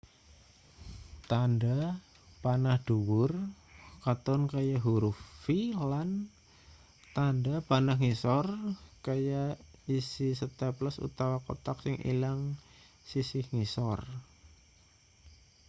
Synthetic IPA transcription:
t̪anda | panahd̥uwʊr | kat̪ɔnkajaɦuɾufilan | t̪andapanahŋisɔrkajaisisət̪apləsṵt̪awakot̪ak̚sɪŋʔḭlaŋ | sisɪhŋisɔr

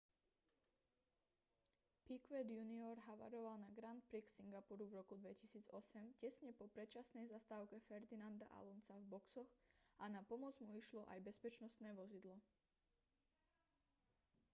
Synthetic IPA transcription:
pikʋɛd̪juniɔɾɦaʋa̰ɾɔʋalnaɡɾant̪̚pɾiksiŋɡapuɾuvɾɔkud̪ʋɛcisiːd͡zɔsɛmcɛsɲɛpɔpɾɛt͡ʃasnɛjzast̪aːʊkɛfɛɾd̪inand̪a̰ʔa̰lɔnsavbɔksɔxʔanapɔmɔd͡zmuiʃlɔʔa̰jbɛspɛt͡ʃnɔst̪nɛːʋɔzid̪lɔ

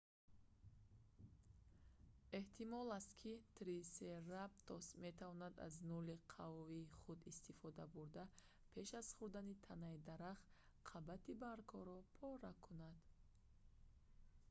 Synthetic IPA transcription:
e̞ht̪ʰimɔlast̪kʰit̪ɾiserab̚t̪ʰɔsme̞t̪ʰavɔnad̪a̰znuliqʰavɔiːχud̪ist̪ifɔd̪abuɾd̪a | pʰe̞ʃazχuɾd̪anit̪ʰanaid̪aɾaχ | qʰabat̪ʰibaɾkʰɔɾɔpʰɔɾakʰunad̪̥

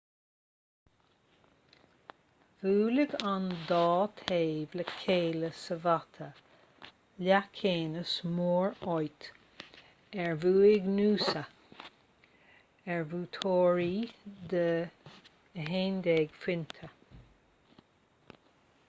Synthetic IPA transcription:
vuːlɪɡand̪ɑːt̪ʰeːvləkʰeːləsəvat̪ʰə | lʲakʰeːnəsmoːɹɔjt̪ | ɛɹvuːɪɡnuːsə | ɛɹvuːt̪ʰoːɹiːd̪ə | ɦeːnd̪eːɡ̥fwɪnt̪ʰə

